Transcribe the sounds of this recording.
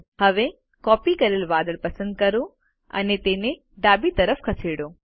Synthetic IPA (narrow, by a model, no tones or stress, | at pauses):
hɐʋe | kɔːpikɐɾelʋaːd̪əɭpɐsə̃nd̪̚kɐɾo | ɐ̰net̪eːne | ɖaːbit̪ɐɾəfʰkʰɐseːɽoː